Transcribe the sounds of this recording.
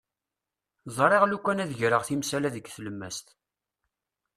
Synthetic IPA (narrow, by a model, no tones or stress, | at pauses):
zˤɾˤeʁlukʷːænæðəʝɾəʁθimsælæðəɡθələmːæ̰st̪